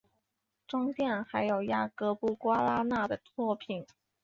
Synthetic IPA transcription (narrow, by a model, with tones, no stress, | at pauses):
ʈ͡ʂʊ˥ŋt̪jɛ˥˩nxa˧˥ɪjo˨˩ʊja˥kɤ˧˥pu˥˩kwa˥la˥na˥˩d̪ə˩t̪ʰwɔ˥˩pʰi˨˩˦n